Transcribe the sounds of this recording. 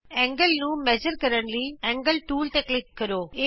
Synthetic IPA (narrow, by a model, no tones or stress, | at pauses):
ẽːŋɡɐlnumɛd͡ʒəɾkɐɾɐɳʈlieːŋɡəlʈuːlʈeklikkɐɾoːe